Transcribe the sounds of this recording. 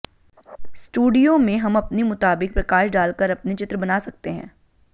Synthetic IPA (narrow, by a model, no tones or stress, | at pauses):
sʈuːɖijomẽɦɐmɐpnimʊt̪aːbɪk̚pɾɐkaːʃɖaːlkəɾɐpnit͡ʃɪt̪ɾəbɐnaːsɐk̚t̪eɦɛ̰̃ː